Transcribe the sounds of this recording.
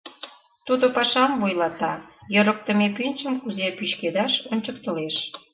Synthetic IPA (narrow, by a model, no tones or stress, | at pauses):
t̪ud̪opɑʃɑmvujlɑt̪ɑ | jə̆ɾə̆k̚t̪ə̆mepynʲt͡ɕəmkuzepyɕked̪ɑʃonʲt͡ɕək̚t̪ə̆leʃ